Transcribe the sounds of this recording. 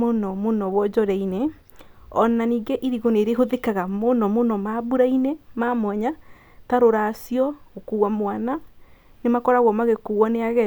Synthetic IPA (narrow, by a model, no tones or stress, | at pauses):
onɔmonɔβwɔd͡ʒɔɾɛine | ɔnaniːɡeʔiɾiɣoneɾeɦoðekaɣamonɔmonɔmaβuɾainemamwɛɲa | taɾoɾasjɔɣokuɣwamwananemakɔɾaɣɔmaɣekuɣwɔneaɣɛ